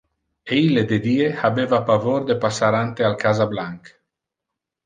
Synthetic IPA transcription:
eiled̪ed̪iːehabevapavoɾd̪epasaɾant̪ealkazablaŋk

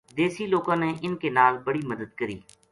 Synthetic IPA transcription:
d̪eːsiloːɡãːneʔɪnkenaːlbɐɽiməd̪əd̪̚kəɾḭː

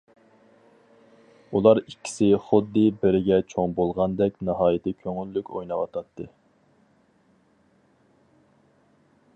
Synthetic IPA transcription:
ulˠɑɾikʲʰːi̥sɪχʊd̪ːɨbɪɾɪɡʲɛt͡ʃʰoŋbolˠʁɑnd̪ɛk̚ʲnɨɦɑːjɪt̪ʰɪkʲʰøŋylːykʲo̰jnɑwɑ̰t̪ʰɑt̪ʰːɨ

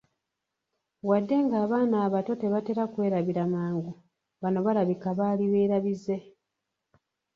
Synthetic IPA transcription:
wadːe̞ŋɡaːβaːnaːβato̞te̞βate̞ɾakwe̞ːɾaβiɾamaːŋɡu | βano̞βaɾaβikaβaːliβeːɾaβize̞

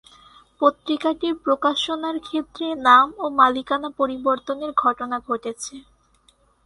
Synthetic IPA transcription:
pot̪ːɾikaʈiɾpɾokaʃonaɾkʰet̪ːɾenamomalikanapoɾiboɾt̪oneɾɡʱɔʈonaɡʱoʈet͡ɕʰe

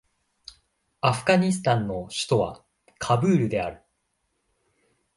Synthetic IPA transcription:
aɸɯ̟̥ɡaɲ̟isɨ̥t̪ãnːo̞ɕɨ̥t̪o̞βa̰ | kʰabɯ̟ːɾɯ̟d̪e̞aɾɯ̟

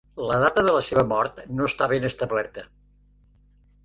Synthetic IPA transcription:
ləðat̪əðələseβəmɔɾt̪noəst̪aβenəst̪əβlɛɾt̪ə

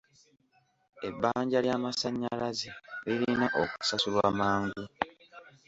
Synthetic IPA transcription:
ebːaːɲɟaljaːmasaɲːalazeliɾiinaʔoku̥sasulwaːmaːŋɡu

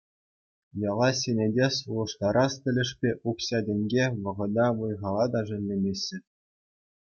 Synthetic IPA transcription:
jɑlˠɑsʲenʲedʲesulˠɤ̆ʂt̪ɑɾɑstʲɘ̆lʲɘ̆ʂpʲeʔukɕɑdʲɘ̆nʲɡʲeʋɤ̆ʁɤ̆d̪ɑʋɤjʁɑlˠɑd̪ɑʐɘ̆nʲlʲemʲesʲːɘ̆

